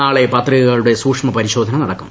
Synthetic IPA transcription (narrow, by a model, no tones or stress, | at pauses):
aːɭepɐt̪riɣɐɣɐɭuɽe̞suːkʂmɐpɐɾiɕo̞ːd̪ʱɐnɐnɐɽɐkːum